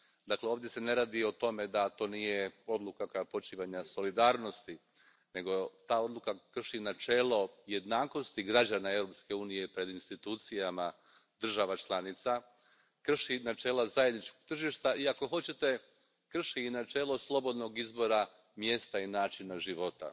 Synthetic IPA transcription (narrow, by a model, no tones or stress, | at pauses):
d̪akleo̞ːʋd̪je̞se̞ne̞ɾaːd̪io̞t̪o̞me̞d̪at̪o̞ːnije̞o̞d̪lukakojapo̞t͡ʃiːʋaɲaso̞lid̪aːɾno̞st̪i | ne̞ɡo̞t̪aːo̞d̪lukakr̩ʃinat͡ʃe̞ːlo̞je̞d̪naːko̞st̪iɡɾad͡ʑanae̞wɾo̞pske̞uːnijepɾe̞d̪inst̪it̪uːt̪sijama | d̪r̩ʒaʋat͡ʃlˠanit̪sa | kr̩ʃinat͡ʃe̞ːlazajed̪nit͡ʃkoɡ̚t̪r̩ʒiːʃt̪aiako̞xo̞t͡ɕe̞t̪e̞ | kr̩ʃiːnat͡ʃe̞ːlˠo̞slˠo̞bo̞d̪no̞ɡizbo̞ɾa | mje̞st̪ainaːt͡ʃinaʒiʋo̞t̪a̰